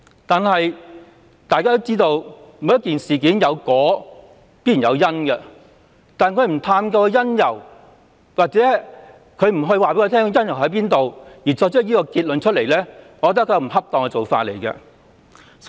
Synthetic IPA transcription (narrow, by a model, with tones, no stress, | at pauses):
t̪aː˨nɦɐ˨j | t̪aː˨jkaː˥t̪o˥wt͡siː˥t̪o˧wmu˨˧˥jɐ˥tkiː˨nsiː˨k̬i˨˥njɐ˨˧wkɔː˨˥ | piː˥jjɐ˨˧wjɐ˥nkɛ˧ | t̪aː˨n˨kʰɵ˨˧ɥm̩˨˩t̪ʰaː˧mkɔː˧kjɐ˥njɐ˨˩w | waː˨k̚t͡sɛː˨˦˥ | kʰɵ˨˧ɥm̩˨˩ɦɵ˧ɥwaː˨pe˨˥kːt̪ʰɛː˥kjɐ˥njɐ˨˩wɦɐ˨˥piː˥nt̪o˨wjiː˨˩t͡sɔː˧k̚t͡ʃʰɵ˥k̚jiː˥kɔː˧kiː˧t̚lɵ˨nt͡ʃʰɵ˥le˨˩jlɛː˥ŋɔ˧kɔː˧t̪ɐ˥kʰːjɐ˧˩m̩˨˩ɦɐ˥p̚t̪ɔː˨˧ŋkɛ˧t͡so˨wfa̰ː˧t̚le˨˩jkɛ̰˧